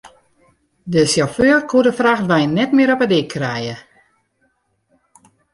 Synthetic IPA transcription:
dəsjaføːrkudəfraxtʋɛjnːɛtmɪəɾɔpədɪkʰːrɛjə

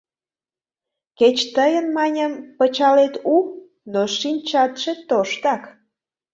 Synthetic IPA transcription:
ket͡ɕt̪əjənmɑnʲəmpət͡ɕɑlet̪uk̚ | noʃinʲt͡ɕɑt̪ʃet̪oʃt̪ɑk

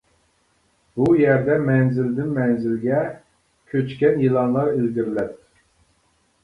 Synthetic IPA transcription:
bujɛɾd̪ɛmɛnzɪld̪ɪnmɛnzɪlɡʲɛ | kʲʰøt͡ʃkʲɛnjilˠɑnlˠɑɾelɡ̪ʲiɾlɛt̪̚

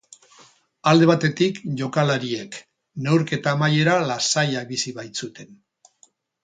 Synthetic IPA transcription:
ald̪e̞β̞at̪e̞t̪ikʝo̞kalaɾie̞k | ne̞wɾke̞t̪aːmaje̞ɾalasajakbisiβajt͡sut̪e̞n

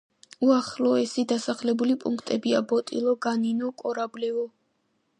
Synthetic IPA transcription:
uaχlɔɛsid̪asaχlɛbulipʼuŋkʰt̪ʼɛbiabɔt̪ʼḭlˠɔɡaninɔkʼɔɾablɛvɔ

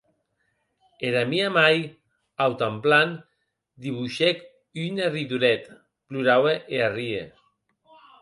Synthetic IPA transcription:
eɾamiamaj | awt̪amplan | d̪iβuʃek | ynerit̪uɾɛt̪ | pluɾaweʔearie

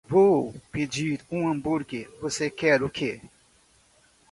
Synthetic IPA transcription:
vowped͡ʒiɾũɐ̃buɾɡɪvosekɛɾʊke

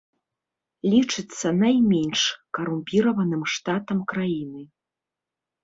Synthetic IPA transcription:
lʲit͡ʂɨt̪sːɐnajmʲɛnʲʂkɐɾumʲpʲiɾɐvɐnɨmʂt̪at̪ɐmkɾajinɨ

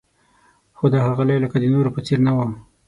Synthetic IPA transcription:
xod̪ahaɣalajlakad̪ənoɾopət͡seɾnawa

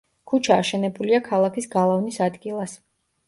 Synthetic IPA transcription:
kʰut͡ʃʰaːʃɛnɛbuliakʰalˠakʰisɡalˠavnisad̪ɡilˠas

